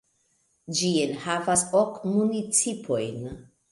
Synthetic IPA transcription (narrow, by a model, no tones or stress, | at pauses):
d͡ʒienhavasokmunit͡sipʰo̞jn